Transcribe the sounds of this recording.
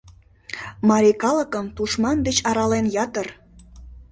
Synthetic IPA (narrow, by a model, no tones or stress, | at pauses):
mɑɾikɑləkəmt̪uʃmɑnd̪et͡ɕɑɾɑlenjɑt̪ər